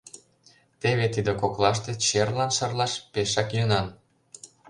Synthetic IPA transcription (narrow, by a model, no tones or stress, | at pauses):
t̪eβet̪id̪ĕkoklˠɑʃt̪et͡ɕerlɑnʃɤrlɑʃpeʃɑkjønɑn